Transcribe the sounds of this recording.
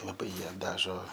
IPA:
lˠɐˈbɐɪ ˈjiɛ ˈdɑːʒoː

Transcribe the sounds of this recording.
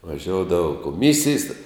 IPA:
ʋɐˈʒʲoːʊdɐʋɐ koːˈmʲɪsʲɪjs tʲɛ

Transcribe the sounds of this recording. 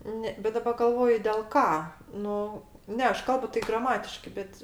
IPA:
ˈnʲɛ bʲɛt dɐˈbɐ ɡɐlˠˈʋoːjʊ dʲeːlˠ ˈkɑː ˈnʊ ˈnʲɛ ˈɐʃ ˈkɐlˠbʊ tɐɪ ˈɡrɑːmɐtʲɪʃkɐɪ ˈbʲɛt

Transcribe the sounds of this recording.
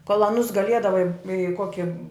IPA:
koːlˠ ɐˈnʊs ɡɐˈlʲiɛdɐʋɐɪ ɪ ˈkoːkʲɪ

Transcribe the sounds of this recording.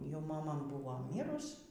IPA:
jɛʊ mɐˈmɐ ˈbʊʋoː ˈmʲiːrʊs

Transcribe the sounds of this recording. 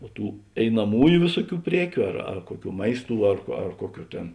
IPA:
oː ˈtuː ɛɪnɐˈmuːjʊ ˈʋʲeːsʊˌkʲuː ˈpʲrʲiɛkʲʊ ɐr ɐr ˈkuɔˌkʲuː ˈmɐɪsˌtuː ɐr koː ɐr ˈkuɔˌkʲuː ˈtʲeːn

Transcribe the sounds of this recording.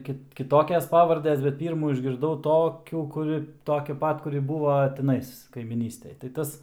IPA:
ˈkʲɪt kʲˈɪtoːkʲɛs ˈpɑːʋɐrʲdʲɛs bʲɛt ˈpʲiːrmuː ɪʒʲɡʲɪrˈdɐʊ ˈtoːkʲuː kʊˈrʲɪ ˈtoːkʲɛ ˈpɐt kʊˈrʲɪ ˈbuːʋɐ tʲɪˈnɐɪs kɐɪmʲiːˈnʲiːsʲtʲɛj tɐɪ ˈtɐs

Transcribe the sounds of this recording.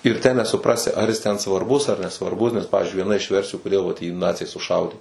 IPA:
ɪr tʲæː nʲɛsʊˈprɑːsʲɪ ˈɐr jɪs tʲɛn sʋɐrˈbʊs ɐr nʲɛsʋɐrˈbʊs nʲɛs ˈpɑːʋʲɪzʲd͡ʒʲʊɪ ʋʲiɛˈnɐ ɪʃ ˈʋʲɛrʲsʲɪjʊ koːˈdʲeːlˠ ʋɐt jiː ˈnɑːt͡sʲɛɪ sʊˈʃɐʊdʲeː

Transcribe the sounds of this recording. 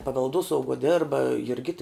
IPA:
pɐʋʲɛlˠˈduɔsɐʊɡuɔ ˈdʲɛrbɐ jʊrʲˈɡʲɪtɐ

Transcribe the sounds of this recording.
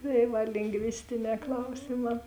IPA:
tɐɪ ˈʋɐ lʲɪŋɡˈʋʲɪsʲtʲɪˌnʲɛː ˈklˠɐʊsʲɪˌmɑː

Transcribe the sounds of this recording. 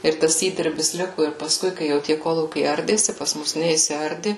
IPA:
ɪr ˈtɐs ˈiːdʲɪrʲbʲɪs ˈlʲɪkʊ ɪr pɐsˈkʊɪ ˈkɐɪ jɛʊ tʲiɛ ˈkoːlˠuːkʲɛɪ ˈɐrʲdʲeːsʲɪ pɐs ˈmʊs nʲɛɪsʲɪˈɐrʲdʲɪ

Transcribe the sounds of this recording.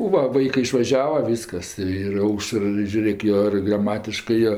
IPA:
oː ˈʋɐ ˈʋɐɪkɜ ɪʃʋɐˈʒʲæːʋɐ ˈʋʲiːskɐs ɪr ˈɐʊʃər ɪ ʒʲʊˈrʲeːk ˈjoː ɪr ɡrɐˈmɑːtʲɪʃkɜ ˈjoː

